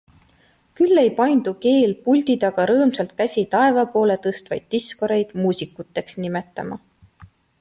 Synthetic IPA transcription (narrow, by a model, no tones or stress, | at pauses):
kylːe̞jpɑjnd̪̥uke̞ːlpulʲd̪̥id̪̥ɑɡ̥ɑɾɤːmsɑlt̪̚kæsʲit̪ɑe̞vɑpo̞ːle̞t̪ɤst̪vɑjd̪̥̚t̪isko̞ɾe̞jd̪̥muːsʲikˑut̪ːe̞ksnimet̪ːˑɑ̰mɑ̰